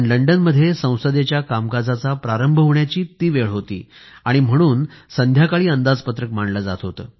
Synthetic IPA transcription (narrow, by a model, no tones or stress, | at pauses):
nləɳɖənməd̪ʱːjesə̃w̃səd̪jet͡ɕjakamkad͡zat͡sapɾaɾəmbʱəɦoʋɳjat͡ɕiːt̪iːʋeɭɦot̪ḭːaɽ̃im̤əɽ̃uːnsənd̪ʱjakaɭiːənd̪ad͡zpət̪ɾəkmaɳɖlad͡za̰t̪ɦot̪əː